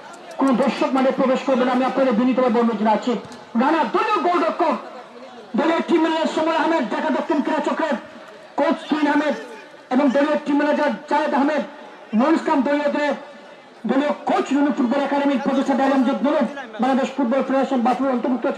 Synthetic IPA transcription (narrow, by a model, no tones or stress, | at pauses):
konoboɾʃobmaɖepɾobeʃkoɾbenaamiapnoɾebʱinːit̪obeboɾnːod͡ʑeat͡ɕʰi | ɾanad̪ojloɡoɾɖokʰːo | d̪olioɾʈimːɛned͡ʑaɾʃɔmɔeɦamed̪d̪ɛkʰad̪ɔk̚t̪ʰːomkiɾat͡ɕokɾe | kowt͡ɕt̪inɦamed̪ | eboŋd̪olioʈimːɛned͡ʑaɾd͡ʑaed̪aɦmed̪ | noɾiskamd̪oliod̪oɾe | d̪oliokowt͡ɕɾonupuɾd̪oɾɛkaɖemiɾpɾod͡ʑ̪eʃʈʰad̪alamd͡ʑed̪ulobbaŋlad̪eʃfuʈ̚bɔlpɾoeʃaʃonbat̪uɾeɾɔnt̪oɾbuk̚t̪o